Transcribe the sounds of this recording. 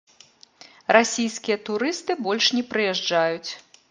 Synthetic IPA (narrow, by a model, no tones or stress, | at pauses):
rʔasʲijskʲijɐt̪uɾɨst̪ɨbɔlʲʂnʲɛpɾɨjɛʐd͡ʐajut͡sʲ